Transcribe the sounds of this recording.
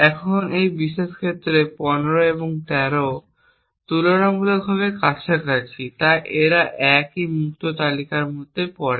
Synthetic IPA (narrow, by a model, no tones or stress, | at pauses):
ɛkʰonejbiʃeʃkʰet̪ːɾepɔneɾoeboŋt̪ɛɾo | t̪ulonamulokɦɔβekat͡ɕʰekaɾt͡ɕʰit̪ajʔeɾaʔɛkimuk̚t̪ot̪alikaɾmud̪epɔɾe